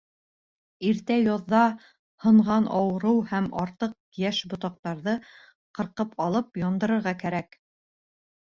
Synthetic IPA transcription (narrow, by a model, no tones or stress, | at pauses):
iɾt̪æjɑðːɑ | hɤ̆ɴʁɑnʔɑwɤ̆ɾɤwhæmɑɾt̪ɤq̚jæʃbŏt̪ɑq̚t̪ɑɾðɤ | qɤ̆ɾqɤpɑlˠɤp̚jɑnd̪ɤ̆ɾɤ̆ɾʁɑkæɾæk